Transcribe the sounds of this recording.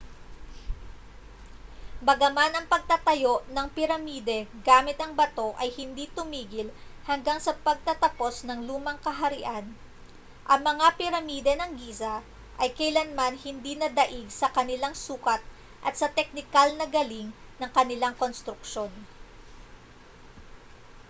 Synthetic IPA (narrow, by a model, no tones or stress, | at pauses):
bɐɡɐmanɐŋpɐɡ̚t̪ɐt̪ɐjo̞ʔnɐŋpɪɾɐmiːd̪ɛɡaːmɪt̪ɐŋbɐt̪o̞ʔɐjhɪnd̪it̪ʊmiːɡɪlhɐŋɡaŋsɐpɐɡ̚t̪ɐt̪ɐpo̞snɐŋluːmɐŋkɐɦɐɾɪʔan | ʔɐŋmɐŋapɪɾɐmiːd̪ɛnɐŋɡiːzɐ | ʔɐjkɐjlɐnmanhɪnd̪inɐd̪ɐʔiɡsɐkɐnɪlaŋsuːkɐt̪̚ | ʔɐt̪sɐt̪ɛk̚nɪkalnɐɡɐliŋnɐŋkɐnɪlaŋkonst̪ɾʊkʃo̞n